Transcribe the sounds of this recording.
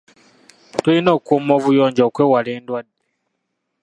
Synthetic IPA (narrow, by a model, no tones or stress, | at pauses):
tuinoːkumoːvujoːɲɟoːkwewaleːndwadːe